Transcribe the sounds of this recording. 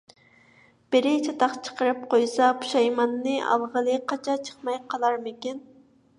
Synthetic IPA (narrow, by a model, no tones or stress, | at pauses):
b̥ɪɾɪt͡ʃʰɑt̪ɑχt͡ʃʰə̥qəɾɨp̚qʰojsɑpu̥ʃɑjmɑnːɨʔɑ̰lˠʁəlˠɨqʰɑt͡ʃʰɑt͡ʃʰə̥χmɑjqʰɑlˠɑɾmɪkʲin